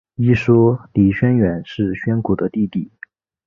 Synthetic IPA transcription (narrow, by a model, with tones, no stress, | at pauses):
i˥ʂɔ˥li˧˥ɕɥɛ˥nɥɛ˨˩˦nʂɻ̩˥˩ɕɥɛ˥nku˨˩d̪ə˦t̪i˥˧t̪i˥˩